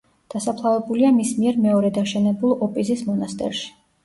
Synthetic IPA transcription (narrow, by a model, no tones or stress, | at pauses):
d̪̥asapʰlˠavɛbuliamismiɛɾmɛɔɾɛd̪aʃɛnɛbulˠɔpʼizismɔnast̪ʼɛ̰ɾʃi̥